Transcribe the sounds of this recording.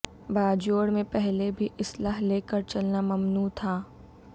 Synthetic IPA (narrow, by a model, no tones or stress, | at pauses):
baːd͡ʒoːɽmẽpɛɦlebʱiʔɪslaːɦleːkəɾt͡ʃɐlnamɐmnuːt̪ʰaː